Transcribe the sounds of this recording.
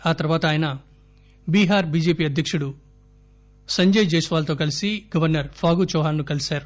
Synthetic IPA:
aːt̪ɐɾʋaːt̪ɐaːjɐnɐ | biːɦaːɾbiːd͡ʒeːpiːɐd̪ʱjɐkʂuɽu | sɐɲd͡ʒɐjt͡ʃeːsuʋaːlɐt̪o̞ːkɐlisiɡ̥ɐʋɐɾnɐɾpʰaːɡut͡ʃɔːɦaːnːukɐlisaːɾu

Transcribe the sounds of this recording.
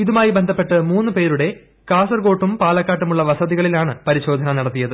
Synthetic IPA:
iðumaːjibe̞nd̪ʱɐpːe̞ʈːɨmuːnːɨpe̞ːɾuɽe̞ | kaːsɐrɡo̞ːʈːumpaːlɐkːaːʈːumuɭːɐʋɐsɐðiɣɐɭilaːɳɨpɐɾiɕo̞ːd̪ʱɐnɐnɐɽɐt̪ːijɐðɨ

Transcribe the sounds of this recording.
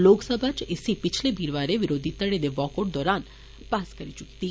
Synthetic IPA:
loksəbʱat͡ʃesipit͡ʃʰlebiɾʋaɾeʋiɾod̪ʱit̪ːaɽed̪ebɔkoʈd̪ɔɾan | paskɐɾit͡ʃukt̪i

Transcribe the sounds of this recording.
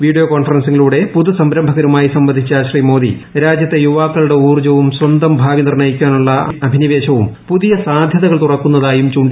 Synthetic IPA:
ʋiːɖijoːkoːɳfɐrɐnsiŋːiluːɽe̞puðusɐmɾɐmbʱɐɣɐɾumaːjisɐmbɐnd̪ʱit͡ɕːɐɕriːmo̞ːðḭ | ɾaːd͡ʑjɐt̪ːe̞juʋaːkːɐɭuɽe̞uːrd͡ʑɐʋumswɐnd̪ɐmbʱaːʋinirɳɐjikʲːaːnuɭːɐɐbʱiniʋe̞ːɕɐʋumpuðijɐsaːd̪ʱjɐðɐɣɐɭt̪urɐkːunːɐðaːjumt͡ɕuːɳɖi

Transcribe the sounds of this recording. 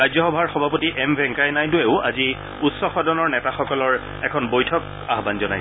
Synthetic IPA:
ajzɔxɔbʱaɹxɔbʱapotiʔɛmbʱɛ̃ŋkajnajdʊeʊazi | utsɔxɔdɔnɔɹnɛtaxɔkɔlɔɹ | ɛkʰɔnbojtʰɔk̚ | aɦbanzɔnaj

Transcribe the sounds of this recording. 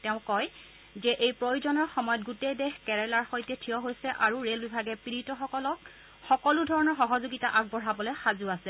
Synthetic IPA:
tɛʊ̃kɔj | zɛʔejpɹojuzɔnɔɹxɔmɔjɔt̚ɡutejdexkɛɹɛlaɹxojtɛtʰijɔɦojsɛʔaɹuɹelbibʱaɡɛpiɹitɔxɔkɔlɔk | xɔkɔludʱɔɹɔnɔɹxɔɦɔzuɡitaʔaɡ̚bɔɹɦabɔlɛxazuasɛ

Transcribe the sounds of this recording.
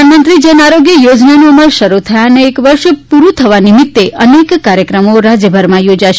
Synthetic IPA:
nmənt̪ɾid͡ʒənaɾoɡjəjod͡ʒnanoməɾʃəɾut̪ʰəjaneːkʋəɾʃpuɾut̪ʰəʋanimɪt̪ːeʔənekːaɾjəkɾəmoɾad͡ʒjəbʱəɾmãjod͡ʒaʃ

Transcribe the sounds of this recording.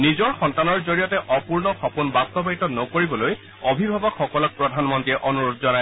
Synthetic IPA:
nizɔɹxɔntanɔɹzoɹijɔtɛʔɔpuɹnɔxɔpunbast̪ɔbaitɔnɔkoɹibɔloj | ɔbʱibʱabɔkxɔkɔlɔk̚pɹɔdʱanmɔntiɛʔɔnuɹodzɔnaj

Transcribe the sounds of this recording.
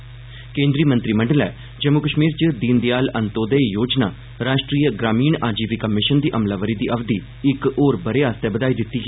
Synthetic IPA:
kẽːnd̪ɾiːmənt̪ɾiːmə̃ɳɖəlɛ̰ː | d͡ʒəmːʊkəʃmiːɾt͡ʃəd̪iːnd̪ɪjaːlənt̪oːd̪ejoːd͡ʒna̰ː | ɾaːʃʈɾiːəɡɾaːmiːɳaːd͡ʒiːpiːkəmɪʃənd̪iːʔəmlaːʋəɾiːd̪iːʔəʋd̪iː | ɪkoːɾbəɾeaːst̪ɛbəd̪aːiːd̪ɪt̪ːiːɛː

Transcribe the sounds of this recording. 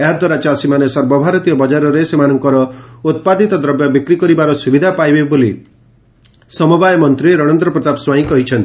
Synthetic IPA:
eɦad̪waɾat͡ʃasimanesɔɾbɔbʱaɾɔt̪ijɔbɔd͡ʒaɾɔɾesemanɔŋkɔɾɔut̪̚pad̪ʱit̪ɔd̪ɾɔbjabikɾikɔɾibaɾɔsubid̪ʱapajbeboli | sɔmɔbajɔmɔnt̪ɾiɾɔɽ̃ɔnd̪ɾɔpɾɔt̪apswajĩkɔɦit͡ʃʰɔnt̪i

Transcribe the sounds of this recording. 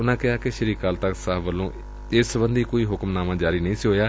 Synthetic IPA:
ʊnãːkɪɦaːkɪʃəɾiːkaːlt̪əksaːʋəlːõː | ɪsbənd̪iːkoːiːɦʊkmnaːmãːd͡ʒaːɾiːnəĩːsiɦoːjaː

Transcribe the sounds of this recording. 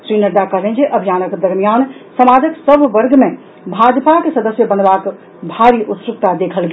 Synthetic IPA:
sɾinəɾd̪akəɦlẽnd͡ʒeʔəbʱijanəkd̪əɾmijansəmad͡ʒəksəbʱʋəɾɡme | bʱad̪pakesəd̪əsjəbənbak | bʱaɾiʔut̪sɾuk̚t̪ad̪ekʰəlɡe

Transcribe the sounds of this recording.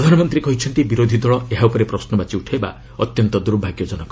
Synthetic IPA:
ɾɔd̪ʱanɔmɔnt̪ɾikɔɦit͡ʃʰɔnt̪ibiɾod̪ʱid̪ɔɭɔeɦaupɔɾepɾɔsnɔbat͡ʃiuʈʰaeba̰ | ɔt̪jɔnt̪ɔd̪uɾbʱaɡjɔd͡ʒɔnɔk

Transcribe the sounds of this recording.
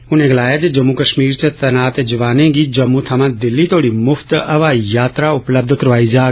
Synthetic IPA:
ʊnẽːɡɐlaːjaːd͡ʒed͡ʒɐmːukəʃmiːɾt͡ʃet̪ɐnaːt̪ed͡ʒɐʋaːnẽːɡiːd͡ʒɐmːut̪ʰɐmãːd̪ɪlːit̪ʰoːɽiːmʊfʰt̪ɐʋaːjaːt̪ɾaʊpləb̚d̪ʱkɐɾʋaːid͡ʒaː

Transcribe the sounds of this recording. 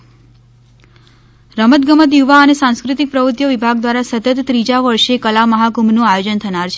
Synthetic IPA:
ɾəmət̪ɡəmət̪̬juʋaənesãnskɾɪt̪ik̚pɾəʋɾut̪jəʋibʱaɡ̚d̪ʋaɾasət̪ət̪ːɾid͡ʒaʋəɾʃekəlaməɦakumnũajod͡ʒənt̪ʰənaɾt͡ʃʰe

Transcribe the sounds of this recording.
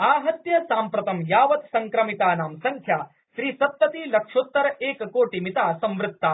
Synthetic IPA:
aːɦɐt̪jɐsaːmpɾɐt̪ɐmjaːʋɐt̪sɐŋkɾɐmit̪aːnaːmsɐŋkʰjaː | ʃɾiːsɐt̪ːɐt̪iːlɐkʂoːt̪ːɐɾɐeːkkoːʈimit̪aːsɐ̃mʋɾɪt̪ːa

